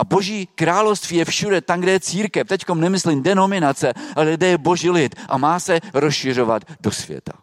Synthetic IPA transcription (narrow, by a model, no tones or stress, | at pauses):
ʔabo̞ʒiːkɾaːlofst̪viːjɛfʃudɛt̪amɡdɛjɛt͡siːɾkɛft̪ɛcko̞mnɛmɪslimdɛno̞mɪnat͡sɛʔalɛɡdɛjɛbo̞ʒiːlɪt̪ʔa̰maːsɛɾosʃɪr̝o̞va̰t̪do̞svjɛ̰t̪a